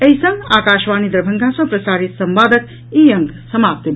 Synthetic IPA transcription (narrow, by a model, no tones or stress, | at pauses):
əjsə̃ŋɡakaːʃʋaːnid̪əɾbʱəŋɡʱasʌ̃pɾɐsaːɾit̪sɐmʋaːd̪ək̪ | ijəŋɡ | səmaːp̚t̪ə